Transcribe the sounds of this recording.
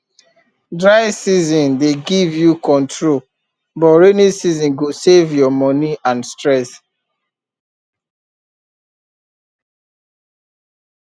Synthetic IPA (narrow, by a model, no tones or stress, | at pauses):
dɹaɪsizɔ̃ndeɡivjukɔ̃ntʰɹol | bɔɹenisizɔ̃nɡosevjɔmɔniʔãnstɹɛs